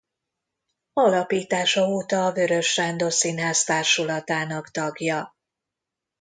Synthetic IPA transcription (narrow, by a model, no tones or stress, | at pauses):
ɒlɒpiːt̪aːʃɒoːt̪ɒːvø̞ɾø̞ʃraːnd̪o̞sinɦaːst̪aːrʃulɒt̪aːnɒkt̪ɒɡjɒ